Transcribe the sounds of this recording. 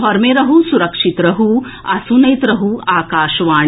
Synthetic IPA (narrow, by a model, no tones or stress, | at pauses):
ɦɔɾmeɾɐɦusuɾɐkʂit̪ɾɐɦu | ɐsunɐjt̪ɾɐɦuaːkaːʃɐʋaː